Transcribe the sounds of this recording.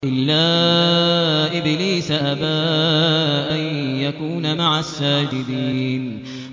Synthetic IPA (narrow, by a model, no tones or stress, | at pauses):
ʔɪlːaː | ʔɪbliːsaʔabaː | ʔanjakuːnamaʕasːaːd͡ʒɪd̪iːn